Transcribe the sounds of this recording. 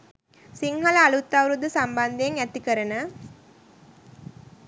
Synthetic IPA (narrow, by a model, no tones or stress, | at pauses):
siŋɦaləːlut̪ːawɾud̪əsamband̪eeŋæt̪ikəɾənə